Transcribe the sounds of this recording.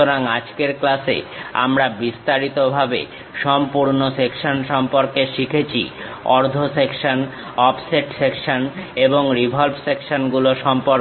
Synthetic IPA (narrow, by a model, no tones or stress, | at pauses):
oɾaŋad͡ʑkeɾklasḛa̰mɾabist̪aɾit̪obʱabḛ | ʃɔmpuɾnosekʃonʃɔmpoɾkeʃikʰet͡ɕʰḭɔɾd̪ʱosekʃon | ɔpseʈsekʃoneboŋɾibʱolbsekʃonɡuloʃɔmpoɾ